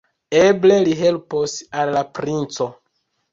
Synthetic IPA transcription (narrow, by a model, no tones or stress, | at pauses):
eble̞liɦe̞lposalːapɾint͡so̞